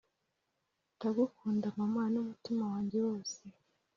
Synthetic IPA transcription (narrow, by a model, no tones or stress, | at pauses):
taɡukuːndamamwaːnumutimawaːɲɟe̞woːse